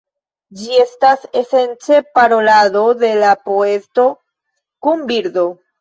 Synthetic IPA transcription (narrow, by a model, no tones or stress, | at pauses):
d͡ʒie̞stase̞se̞nt͡se̞paɾo̞laðo̞d̪e̞lapoe̞sto̞ | kumbiɾd̪o̞